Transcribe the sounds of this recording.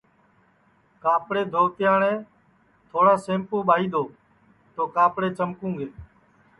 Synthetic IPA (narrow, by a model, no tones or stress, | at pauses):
kaːpɽeːd̪ʱoːt̪ɪjãːɳẽː | t̪ʰoːɽaːsẽːmpõːɓʱaːiːd̪ʱoː | t̪oːkaːpɽeːt͡ʃəmkũːɡeː